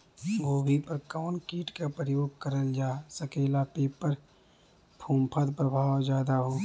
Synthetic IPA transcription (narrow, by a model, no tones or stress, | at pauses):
ɡoːbʱipəɾkaːnkiːʈkapɾəjoːɡ̚kəɾəld͡ʒaːsəkeːlapeːpəɾ | pʰũːmpʰəd̪pɾəbʱaːwzjaːd̪aɦoː